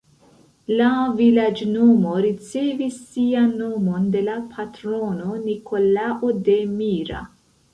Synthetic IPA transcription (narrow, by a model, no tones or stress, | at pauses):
lavilad͡ʒnomoɾit͡sevisːianːomond̪e̞lapʰat̪ɾononikolaʔod̪emiɾa̰